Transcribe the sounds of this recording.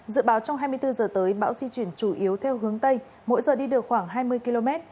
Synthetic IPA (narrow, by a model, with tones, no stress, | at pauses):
zɨ̰˧˥ɓaː˨˦wt͡ɕɔ˧ŋ͡mɦaː˧jmɨ˧əjt̪ɨ˧zəː˨˩t̪əː˨˦jɓa̰ː˧˥wzi˧t͡ɕwi˧˩ənt͡ɕu˧˩ʔi˨˦əwt̪ʰɛ˧wɦɨ˨˦əŋt̪ə˧j | mo̰˧˥jzəː˨˩ɗi˧ɗɨ˨˩ək̚xwaː˧˩ŋɦaː˧jmɨ˧əjki˧lo˧mɛ˦˥t̚